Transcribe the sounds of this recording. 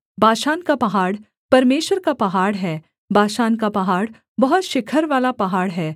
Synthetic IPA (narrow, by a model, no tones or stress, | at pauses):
bʱaːʃaːnkapɐɦaːɽ | pɐɾmeːʃwəɾkapɐɦaːɽɦɛː | bʱaːʃaːnkapɐɦaːɽ | bɐɦʊt̪ʃɪkʰəɾʋaːlapɐɦaːɽɦɛː